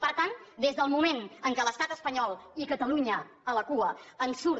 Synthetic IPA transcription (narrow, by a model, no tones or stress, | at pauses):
pəɾt̪and̪ezðəlˠmumenəŋkələst̪at̪əspəɲɔlˠikət̪əluɲə | ələkuəənsuɾ